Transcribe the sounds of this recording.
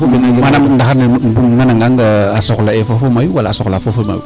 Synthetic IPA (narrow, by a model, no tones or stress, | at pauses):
ominamanamndaxaɾnem̩bumnanaŋɡaŋɡaasoklaefofomajuwalaːsoklafofoma̰jṵ